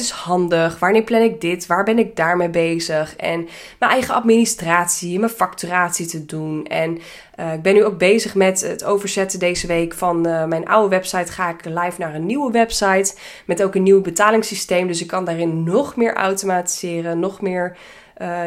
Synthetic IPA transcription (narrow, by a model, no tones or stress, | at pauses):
tɪshɑndəχʋaːɹnɪːɹplɛnɪɡ̚dɪtʋaːɹbɛnɪɡ̚daːɹmejbejzəχɛ̰n | mənɛjχəɑ̰tministraːtsimənfɑktyraːtsitədunɛn | ɪɡ̚bɛnyowk̚bejzəχmɛtətowvəɹzɛtədejzəʋejkfɑnmɛjnʔa̰wəʋɛpsɑjtχaːɪklɛjfnaːrənːiwəʋɛpsɑjt | mɛtowkənːiwbətaːlɪŋsistejmdɵs̬ɪkːɑndaːrɪnːɔχmɪːɹʔa̰wtomaːti̥z̥ɪːrənːɔχmɪːɹ